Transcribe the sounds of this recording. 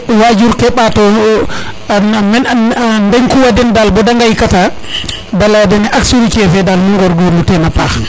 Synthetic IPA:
wad͡ʒuɾkɛɓatɔ | mɛndɛɲkuwadɛndalbɔdaŋɡajkata | daladɛnɛʔaksuɾit͡ʃɛfɛdalmuŋɡɔɾɡɔmutɛnapa

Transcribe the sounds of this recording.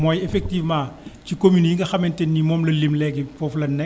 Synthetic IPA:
mɔːjɛfɛk̚tiːvmãːcikomynjiŋɡɐxɐmɛntɛnːimɔːmlɐlimlɛɡifɔflɐnːɛ

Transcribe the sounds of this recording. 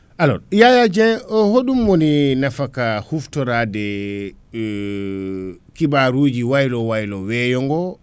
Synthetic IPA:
ʔalɔ̰jajad͡ʒɛnɔhoɗumːoninafakahuftɔɾadɛ | kibaɾuːd͡ʒiwajlɔwajlɔwɛjɔŋɡɔ

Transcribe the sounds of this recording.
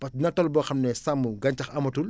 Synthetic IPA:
pɐsnɐtɔlbɔxɐmnɛsɐmːuɡɐɲtɐxɐmɐtul

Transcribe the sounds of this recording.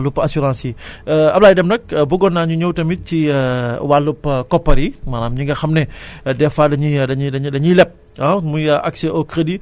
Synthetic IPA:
lupɐsuɾãːnsiɐplaːjdɛmnɐk̚buɡɔnːaɲuɲowtɐmit̚ciwalːupːkɔpːɐɾimalamɲiŋɡɐxɐmnɛdɛfaːdɐɲidɐɲdɐɲdɐɲilɛp̚ | ɐmujaʔaksɛʔɔkɾedi

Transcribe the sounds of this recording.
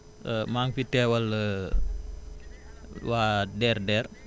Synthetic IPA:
əmaːŋfitɛːwɐlə | waːdɛːrdɛːr

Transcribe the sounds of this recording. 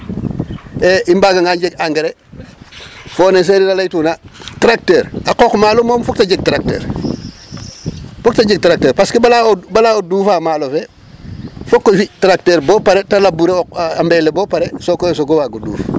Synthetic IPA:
eʔimbaːɡaŋɡaɲɟeɡaŋɡeɾe | foːnes̬eɾilalajtuːnatɾak̚teːɾakoːkmaːlomoːmfok̚taɟeɡ̚tɾak̚tḛːɾ | foktaɟeɡ̚tɾak̚teːɾpaskebalaobalaoduːfaːmaːlofe | fokːojfitɾak̚teːɾboːpaɾetalabuɾeoambeleboːpaɾesokos̬oɡowaɡudṵːf

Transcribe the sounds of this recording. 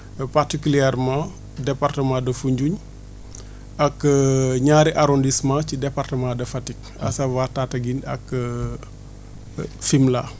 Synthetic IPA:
partikuliɛɾmã | dɛpartəmãdɐfuɲɟuɲ | ɐkɲaːɾiʔaɾondismãcidɛpartəmãdɐfɐtik̚ | ɐ̰sɐwatatɐɡinɐ̰k | fimla

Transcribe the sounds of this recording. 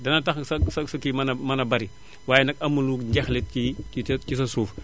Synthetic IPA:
dɐnɐtɐxsɐsɐsɐkimɐnɐmɐnɐbɐɾi | waːjɛnɐkɐmːuluːkɟɛxlɛt̚iicis̬ɐsuːf

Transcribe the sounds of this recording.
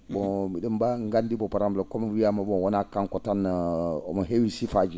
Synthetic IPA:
bomidəmbaŋɡandibopaɾamblokomwiamabowonakankotano̰moɦewisifad͡ʒi

